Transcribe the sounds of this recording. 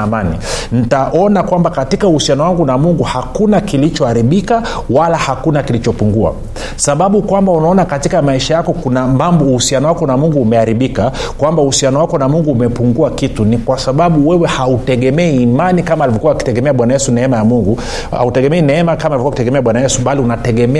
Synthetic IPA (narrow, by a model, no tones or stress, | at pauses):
manin̩taʔɔnakwambakatikauhusianɔwaŋɡunamuŋɡuhakunakilit͡ʃɔaɾiɓika | walahakunakilit͡ʃɔpuŋɡua̰ | saɓaɓukwambaunaɔnakatikamaiʃajakɔkunamambɔuhusianɔwakɔnamuŋɡuːmɛaɾiɓikakwambauhusianɔwakɔnamuŋɡuːmɛpuŋɡuakitunikwasaɓaɓuwɛwɛhautɛɠɛmɛɛːmanikamalivɔkuwaːki̥tɛɡɛmɛaɓwanajɛsunɛɛmajamuŋɡu | a̰utɛɡɛmɛinɛɛmakamalivɔkuakitɛɡɛmɛaɓwanajɛsuɓaliunatɛɠɛmɛ